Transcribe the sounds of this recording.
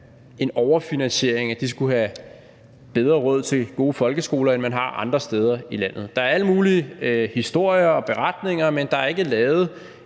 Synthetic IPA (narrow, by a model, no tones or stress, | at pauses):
e̝nɒʊɐfinænɕe̝ɐ̰e̝ŋæd̥isɡ̥uɦæ | b̥eð̞ˠʁɐʁɔ̽ð̞̰ˠt͡sʰe̝lɡ̥o̝ːfɒ̽lɡ̥əsɡ̥o̝̰ːlɐenmænɦɑ̈ɑ̈nd̥ʁɐsd̥eːð̞ˠɐilæn̰ð̞̩ˠd̥ɑ̈æɐæləmuːliəhisd̥o̝ɐ̰jɐɒ̽b̥e̝ʁad̥ne̝ŋɐmend̥ɑ̈æɐe̝ɡ̥əlɛːʊð̞̩ˠ